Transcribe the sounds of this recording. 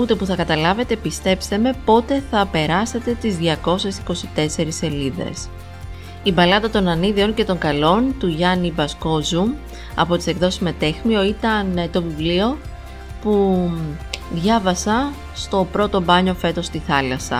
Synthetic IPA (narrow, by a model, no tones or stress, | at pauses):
ut̪e̞puθɐkɐt̪ɐlɐve̞t̪e̞pist̪e̞pst̪e̞me̞po̞t̪e̞θɐpe̞ɾɐse̞t̪e̞t̪izðʝɐko̞se̞si̥ko̞sit̪e̞se̞ɾise̞liðe̞̰s | ibɐlɐðɐt̪o̞nɐniðio̞nce̞t̪o̞ŋɡɐlo̞nt̪uʝɐnibɐsko̞zu | ɐ̰po̞t̪i̥se̞kðo̞si̥szme̞t̪e̞xmio̞it̪ɐnt̪o̞vivlio̞ | pu | ðʝɐvɐsɐ | st̪o̞pɾo̞t̪o̞bɐɲo̞fe̞t̪o̞st̪iθɐlɐsɐ̰